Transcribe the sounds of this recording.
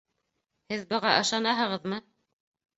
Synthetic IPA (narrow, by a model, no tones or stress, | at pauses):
hɘðbɤ̆ʁɑʔɤ̆ʃɑnɑɦɤ̆ʁɤðmɤ